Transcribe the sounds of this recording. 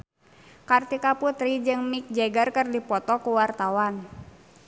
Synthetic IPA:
kart̪ikaput̪ɾid͡ʒɨŋmik̚d͡ʒɛɡarkərdipɔt̪ɔkuwart̪awan

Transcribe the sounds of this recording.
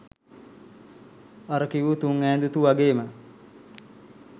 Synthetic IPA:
aɾəkiʋut̪uŋɛːnd̪ut̪uʋaɡeːmə

